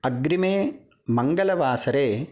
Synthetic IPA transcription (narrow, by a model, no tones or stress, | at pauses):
ɐɡɾimeː | mɐŋɡɐlɐʋaːsɐɾeː